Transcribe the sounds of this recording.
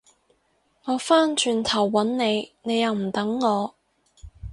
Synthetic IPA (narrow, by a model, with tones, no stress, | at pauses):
ŋɔː˨˧faː˥nt͡ʃʰyː˨˩nt̪ʰɐ˨˩wːɐ˨˥nne˨˧jne˨˧jɐ˨˧wm̩˨˩t̪ɐ˨˥ŋːɔː˨˧